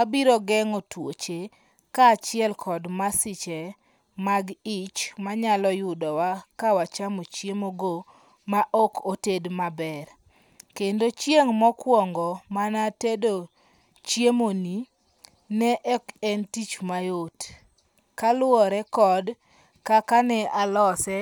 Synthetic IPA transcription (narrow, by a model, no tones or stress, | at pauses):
wabiɾɔɡɛŋotwot͡ʃe | kaːt͡ʃɪɛlkʰɔdmasɪt͡ʃɛ | maɡɪt͡ʃmaɲalɔjʊdɔwakawat͡ʃamot͡ʃjemoɡo | maʔokotedmabɛr | kendot͡ʃjeŋmɔkwɔŋɡɔmanatedo | t͡ʃjemoni | nɛʔɛkɛntit͡ʃmajot | kalʊɔɾɛkɔd | kakanɛʔalɔsɛ